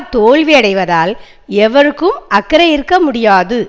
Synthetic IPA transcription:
t̪oːɭʋiɐɽɐɪʋɐðaːl | ɛʋɐɾɯkːɯmɐkːɐɾɐjɪɾɯkːɐmʊɽɪjaːðɯ

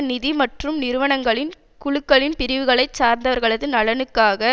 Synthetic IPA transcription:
nɪðimɐʈrɯmnɪɾɯʋɐɳɐŋɡɐɭɪn | kʊɻɯkːɐɭɪnpɪɾɪʋɯɣɐɭɐɪt͡ʃːaːɾnd̪ɐʋɐɾɣɐɭɐðɯnɐɭɐnɯkːaːɣɐ

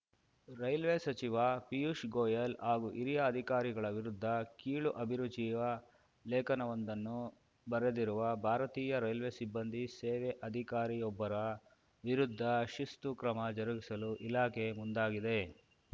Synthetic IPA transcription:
ɾɐjlʋesɐt͡ʃiʋɐpijuʂɡoːjɐlɦaːɡuʔiɾijɐːd̪ʱikaːɾiɡɐɭɐʋiɾud̪ʱːɐkiːɭuʔɐbʱiɾud͡ʒiːʋɐ | lɛːkɐnɐʋɐnd̪ɐnːu | bɐɾed̪iɾuʋɐbʱaːɾɐt̪iːjɐɾɐjlʋe̞sibːɐnd̪ʱiseːʋeʔɐd̪ʱikaːɾijɔbːɐɾɐ | ʋiɾud̪ʱːɐʃist̪ukɾɐmɐd͡ʒɐɾuɡisɐluʔilaːke̞mund̪aːɡid̪e̞

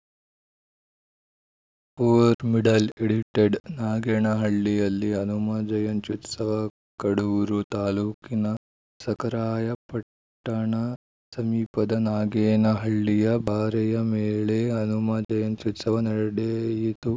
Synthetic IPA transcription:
poːʋɾmiɖɐleɽiʈeɖnaːɡeːɳɐɦɐɭːijɐlːiɐnumɐd͡ʒɐjɐnt͡ʃut̪sɐʋɐ | kɐɽuʋɾut̪aːluːkinɐ | sɐkɐɾaːjɐpɐʈː | ɐɳɐ | sɐmiːpɐd̪ɐnaːɡeːnɐɦɐɭːijɐbʱaːɾɐjɐmeːɭeɐnumɐd͡ʒɐjɐnt͡ʃut̪sɐʋɐnɐɾɐɽeːjit̪u

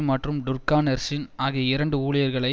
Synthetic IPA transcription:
mɐʈrɯmɖʊɾkaːnɐɾsɪnaːɣiɐɪɾɐɳɖɯuːɭɪjɐɾɣɐɭɐɪ

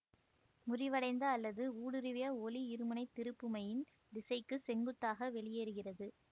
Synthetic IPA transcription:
mʊrɪʋɐɽɐɪnd̪ɐːlːɐðɯuːɽɯɾɯʋɪjɐɔliɪɾɯmɯnɐɪt̪ːɪɾɯpːɯmɐjɪn | d̪ɪsɐɪkːɯsɛŋɡɯt̪ːaːɣɐʋɛɭɪjeːɾɯɣɪrɐðɯ

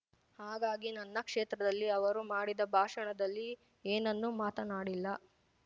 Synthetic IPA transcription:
haːɡaːɡinɐnːɐkʂeːt̪ɾɐd̪ɐlːiɐʋɐɾumaːɽid̪ɐbʱaːʂɐɳɐd̪ɐlːi | eːnɐnːumaːt̪ɐnaːɽilːɐ

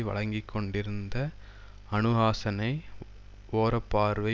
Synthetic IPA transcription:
ʋɐ̰ɭɐŋɡɪkʰːɔɳɖɪɾɯnd̪ɐ | ɐnɯɣaːsɐnɐɪ | oːɾɐpːaːɾʋɐɪ

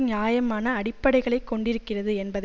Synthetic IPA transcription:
ɲaːjɐmaːnɐːɽɪpːɐɽɐɪɣɐɭɐɪkːɔɳɖɪɾɯkːɪrɐðɯɛnbɐð

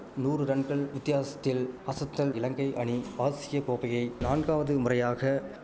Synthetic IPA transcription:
nuːɾɯɾɐɳɡɐɭʋɪt̪ːɪjaːsɐ̥t̪ːɪlɐsɐt̪ːɐlɪlɐŋɡɐɪʔɐɳiaːsɪjɐkoːpɐjɐɪnaːɳɡaːʋɐðɯmʊrɐjaːɣɐ

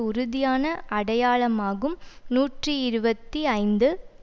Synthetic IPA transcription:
ʊɾʊðɪjaːnɐʔɐɽɐjaːɭɐmaːɣɯmnuːʈriɪɾɯbɐt̪ːiɐɪnd̪ɯ

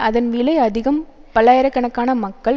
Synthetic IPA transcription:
ɐðɐnʋɪlɐɪɐðɪɣɐmpɐɭaːjɐɾɐkːɐɳɐkːaːnɐmɐkːɐɭ

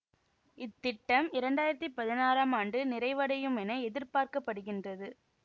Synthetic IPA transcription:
ɪt̪ːɪʈːɐmɪɾɐɳɖaːjɪɾɐt̪ːipɐðɪnaːɾaːmaːɳɖɯnɪɾɐɪʋɐɽɐjɯmɛnɐɛðɪɾpaːɾkɐpːɐɽɯɣɪndrɐðɯ

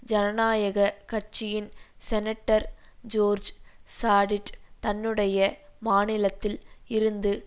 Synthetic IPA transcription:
d͡ʒɐnɐnaːjɐɣɐkɐrt͡ʃɪjɪnsɛnɐʈːɐɾd͡ʒoːɾd͡ʒsaːɽɪʈt̪ɐnːɯɽɐjɐmaːnɪlɐt̪ːɪlɪɾɯnd̪ɯ

